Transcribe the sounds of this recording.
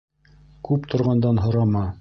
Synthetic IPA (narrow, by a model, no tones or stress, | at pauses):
kʉpt̪ʰŏɾʁɑnd̪ɑnɦŏɾɑmɑ